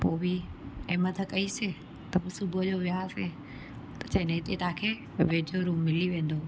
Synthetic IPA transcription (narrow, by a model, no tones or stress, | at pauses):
poːbiɛ̃ːmɐt̪ʰəkɐise | t̪ɐbɪsʊbʱʊəd͡ʑoːʋɪjase | t̪ɐ̥t͡ɕɐ̃ɦɪ̃nẽɦɪt̪et̪ãːkʰeː | ʋeːd͡ʒʱoɾũːmːɪliʋẽːn̆d̪oː